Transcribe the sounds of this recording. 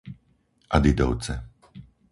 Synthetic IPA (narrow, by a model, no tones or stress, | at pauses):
ʔad̪id̪ɔ̰ʊt͡sɛ